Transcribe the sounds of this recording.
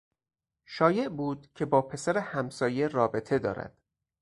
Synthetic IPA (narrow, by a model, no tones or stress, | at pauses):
ʃɒːje̞ʔbuːd̪̥̚cʰe̞bɒːpʰe̞sæɾehæmsɒːje̞rɒːbe̞t̪ʰe̞d̪ɒ̰ːɾæ̰d̪̥